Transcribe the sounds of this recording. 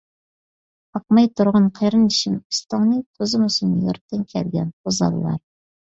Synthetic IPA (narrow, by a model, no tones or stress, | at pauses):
ɑq̚mɑjt̪ʰuɾʁɑnqʰəɾɨniʃinu̥st̪ɑŋnɨt̪ʰozɨmusunjo̰ɾt̪ʰːɨnkʲʰɛ̰lɡʲɛ̰nqʰozɑ̰lːˠɑ̰ɾ